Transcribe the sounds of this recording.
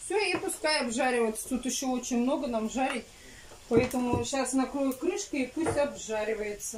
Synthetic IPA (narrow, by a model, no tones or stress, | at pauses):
fsʲoipʊskajɐbʐaɾʲɪvəjɪt̪sə̥t̪ut̪ɪɕːoo̞t͡ɕɪnʲmno̞ɡənamʐaɾʲɪtʲ | pɐɛt̪əmʊɕasnɐkɾojʊt̪̚kɾɨʂkəipusʲtʲɐbʐaɾʲɪvəjɪt̪sə